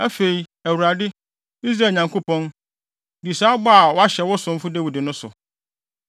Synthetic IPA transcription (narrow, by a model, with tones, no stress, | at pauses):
æ˦fe˨i˨æ˨wu˨ɾa˨dɪ˦ | i˦s̬ɾa˨˦˨ɲã˨ŋkʰo˦pɔ̃˦n | di˨sa˦bɔ˦a˨wɔ˦a˦ɕɛ˨wɔ˦sʊ̃˦m̩˦fʊ˦dæ˦wi˨dɪ˨nʊ̃˦sʊ̰˨